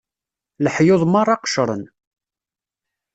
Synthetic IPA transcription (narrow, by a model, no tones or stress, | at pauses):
ləħjoðˤmɑɾˤɑqʃɾˤə̰n